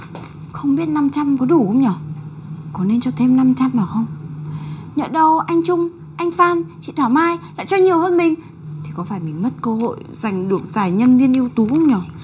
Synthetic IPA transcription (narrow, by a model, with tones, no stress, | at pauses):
xə˧wŋ͡mɓi˦˥ət̚na˧mt͡ɕa˧mkɔ˨˦ɗu˧˩xwŋ͡mɲɔ˨˩˦ | kɔ˨˦ne˧nt͡ɕɔ˧t̪ʰe˧mna˧mt͡ɕa˧mnaː˨˩wxə˧wŋ͡m | ɲə̰˧˨ɗə˧wʔa˧jŋ̟t͡ɕʊ˧ŋ͡m | ʔa˧jŋ̟faː˧nt͡ɕḭ˧˨t̪ʰaː˧˩wmaː˧jla̰ː˧˨t͡ɕɔ˧ɲi˨˩əwhəː˧nmï˨˩ŋ̟ | t̪ʰi˨˩kɔ˨˦faː˧˩jmï˨˩ŋ̟mə˦˥t̚kəː˧ho̰˧˨jza˨˩jŋ̟ɗɨ˨˩əŋ̚zaː˨˩jɲə˧nvi˧ənʔi˧əwt̪u˨˦xu˧wŋ͡mɲɔ˨˩